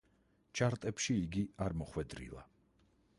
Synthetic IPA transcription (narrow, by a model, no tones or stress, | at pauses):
t͡ʃʰaɾt̪ʼɛpʃiːɡiaɾmɔχwɛd̪ɾḭlˠa̰